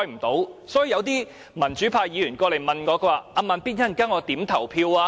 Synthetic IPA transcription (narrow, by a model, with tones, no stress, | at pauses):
jm̩˨˩t̪o˨˥wsɔː˨˥ji˧jɐ˨˧wt̪iː˥ | mɐ˨˩nt͡ʃy˨˥pʰaː˧jiː˨˧jyː˨˩nkɔː˧le˨˩jmɐ˨nkɔː˨˧kʰɵ˧waː˨˧˩ʔaː˨˧maː˨˧npiː˥t̚jɐ˥˩nkaː˥ŋɔː˨˧t̪iː˨˥mt̪ʰɐ˨˩wpʰiː˧waː˧